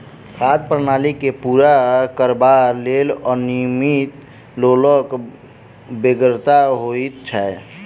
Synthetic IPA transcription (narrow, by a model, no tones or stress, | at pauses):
kʰad̪pɾənaːlikepuːɾakəɾbaɾlelɔɾnimit̪ | loːlək | beɡɾt̪aɦoit̪t͡ʃʰɛ